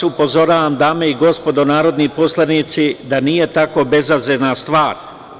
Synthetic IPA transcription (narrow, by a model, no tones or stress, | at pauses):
upo̞zo̞ɾaːʋamd̪aːme̞iɡo̞spo̞d̪o̞naːɾo̞d̪nipo̞slˠaniːt̪sid̪anije̞t̪ako̞be̞zazenast̪ʋaːɾ